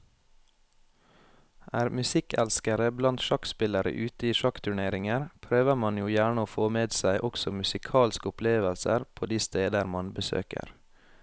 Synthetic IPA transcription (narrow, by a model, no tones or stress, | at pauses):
ʔæːɾmʉsɪkæ̰lskəɾəblɑnt̪ʃɑkspɪləɾə̰ʔʉːt̪əiːʃɑkt̪ʰʉɳeːɾɪŋəɾpʰɾøːʋəɾmɑnjuːjæːɳəoːfoːmeːd̪sæɪʔɔksɔmʉsɪkʰɑːlskəʊpleːʋəlsə̰ɾpʰoːd̪iːst̪eːd̪əɾmɑnbəsø̰ːkə̰ɾ